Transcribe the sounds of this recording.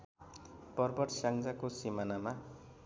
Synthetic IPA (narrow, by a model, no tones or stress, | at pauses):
pʌrbʌʈsaŋd͡zakosimanama